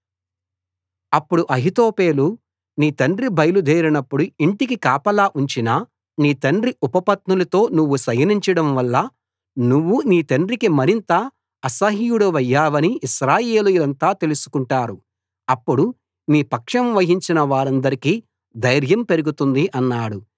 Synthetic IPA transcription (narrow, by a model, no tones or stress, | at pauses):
ɐpːuɽuʔɐɦit̪oːpeːlu | niːt̪ɐɳɖribʱɐjɐlud̪ʱeːɾinɐpːuɽuiɳʈikikaːpɐlaːʔuɲt͡ʃinɐ | niːt̪ɐɳɖriʔupɐpɐt̪nulɐt̪o̞ːnuʋːusɐjɐniɲt͡ʃɐɽɐmʋɐlːɐ | nuʋːuniːt̪ɐɳɖrɾikimɐɾint̪ɐː | sɐɦiːjuɽuʋɐjːaːʋɐniiʃɾaːje̞ːlujulɐnt̪aːt̪e̞lusu̥kuɳʈaːɾu | ɐpːuɽu | niːpɐkʂɐmʋɐɦiɲt͡ʃinɐʋaːɾɐnd̪ɐɾikiː | d̪ɐjɾjɐmpe̞ɾuɡut̪und̪iʔɐnːaːɽu